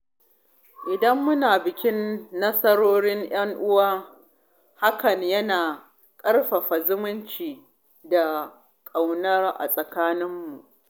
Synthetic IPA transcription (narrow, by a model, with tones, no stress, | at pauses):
ʔɪ˨dɐ˦mːʊ˦naː˨bɪ˨kʲɪ˦nːɐ˦sɐ˦ɾoː˦ɽɪ˦ŋj̰ɐ˦ŋʔʊ˦waː˦ | ha˦kɐ˨ɲjɐ˦naː˨ | kʼɐ˦rɸa˨ɸa˨zʊ˦mʊ˦nt͡ʃiː˨ | da˨ | kʼa˨wnɐ˦rʔa̰˨sʼɐ˨kaː˦nɪ˦mːu˨ʔ